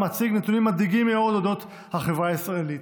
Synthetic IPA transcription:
mat͡siɡnet̪unimːadiɡimːeo̞d̪od̪o̞t̪ | haχevʁaːisʁaelit̪

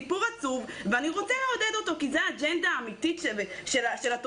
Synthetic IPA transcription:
puʁat͡suvveaniʁo̞t͡seleod̪ed̪ot̪o̞kizeaːd͡ʒend̪aːmit̪it̪ʃʃelaʃelat

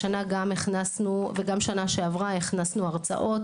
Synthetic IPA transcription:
anaɡameχnasnuveɡamʃanaʃeavʁaeχnasnuaʁt͡sa̰ʔo̞t

